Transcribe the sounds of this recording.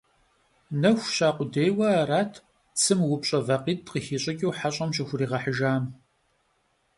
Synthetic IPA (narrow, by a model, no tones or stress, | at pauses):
nɐxʷɕaːqʷʼʊdejwɐaraːtʰ | t͡sʰɨmwʊpɕʼɐvɐqiːtʼqixiːɕʼɐkʲʼiwħaɕʼɐmɕɪxʷʊriːʁɐħəʒaːm